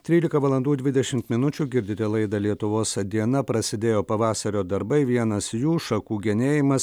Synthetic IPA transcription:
t̪ʲɾʲiːlʲɪkɐʋɐlˠɐnd̪uːd̪ʲʋʲɪd̪ʲɛʃʲɪmt̪mʲɪnʊt͡ʃʲuɡʲɪɾʲd̪ʲɪt̪ʲelˠɐɪd̪ɐlʲiɛt̪ʊʋoːsd̪ʲiɛnɐpɾɐsʲɪd̪ʲeːjoːpɐʋɑːsɐɾʲoːd̪ɐɾbɐɪʋʲiɛnɐsjuːʃɐkuːɡʲɛnʲeːjɪmɐs

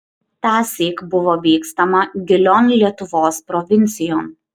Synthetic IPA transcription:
t̪ɑːsʲiːkbʊʋoːʋʲiːkst̪ɐmɐɡʲɪlʲoːnlʲiɛt̪ʊʋoːspɾɔʋʲɪnʲˑt̪sʲɪjoːm

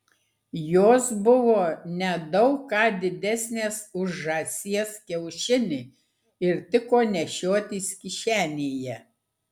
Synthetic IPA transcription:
joːsbʊʋoːnʲɛd̪ɐʊkːɑːd̪ʲɪd̪ʲæsʲnʲeːsʊʒʒɑːsʲiɛskʲɛʊʃʲɪnʲɪ | ɪɾt̪ʲɪkoːnʲɛʃʲoːt̪ʲiːskʲɪʃʲæːnʲeːjɛ

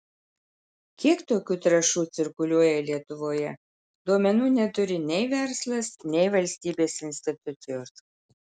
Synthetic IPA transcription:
kʲiɛkt̪oːkʲuːt̪ɾɐʃuːt̪sʲɪɾkʊlʲuɔjɛlʲiɛt̪ʊʋoːjɛ | d̪uɔmʲɛnuːnʲɛt̪ʊɾʲɪnʲɛɪʋʲɛɾslˠɐsnʲɛɪʋɐlʲsʲt̪ʲiːbʲeːsɪnʲsʲt̪ʲɪt̪ʊt̪ʲɪjoːs

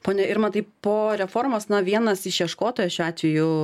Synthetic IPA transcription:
poːnʲɛɪɾmɐnt̪ɐɪppoːɾʲɛfoːrmoːsnɐʋʲiɛnɐsɪʃʲiɛʃkoːt̪oːjɛʃʲuːɑːt̪ʲʋʲɛjʊ

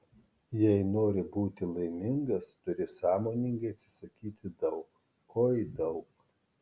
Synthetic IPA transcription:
jɛɪnoːɾʲɪbuːt̪ʲɪlˠɐɪmʲɪŋɡɐst̪ʊɾʲɪsɑːmoːnʲɪŋɡɐɪɐt̪ʲsʲɪ̥sɐkʲiːt̪ʲɪd̪ɐʊk | kʰoːjd̪ɒʊk

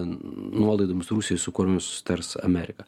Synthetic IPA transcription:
nuɔlˠɐɪd̪oːmʲɪsɾusʲɪjsʊkʊɾʲʊmʲɪsʊ̥sʲɪ̥t̪ɐɾsɐ̰mʲæɾʲɪkɐ

